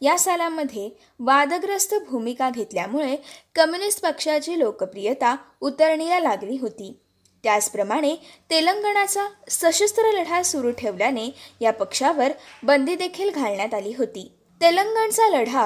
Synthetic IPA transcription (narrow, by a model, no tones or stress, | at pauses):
jasalamːəd̪ʱːje | ʋad̪əɡɾəst̪ʰəbʱumikaɡʱet̪ljamuɭekəmjunisʈpəkʂat͡ɕiːlokəpɾijət̪a | ut̪əɾɳijalaɡliːɦot̪iː | t̪jat͡spɾəmaɽ̃et̪eləŋɡəɳ̃at͡sasəɕəst̪ɾələɽ̤asuɾuːʈʰeʋljanejapəkʂaʋəɾbənd̪ʱiːd̪ekʰiːlɡʱaɭɳjat̪aliːɦot̪iː | t̪eləŋɡəɳt͡saləɽ̤a